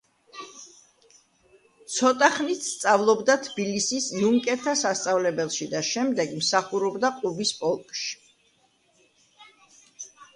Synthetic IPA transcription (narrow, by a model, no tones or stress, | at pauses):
t̪sʰɔt̪ʼaχnit̪st̪sʼavlˠɔbd̪at̪ʰb̥ilisisluŋkʼɛt̪ʰːasast̪sʼavlɛbɛlˠʃid̪aʃɛmd̪ɛɡmsaχuɾɔbd̪aqʼubispʼɔlˠkʼʃi̥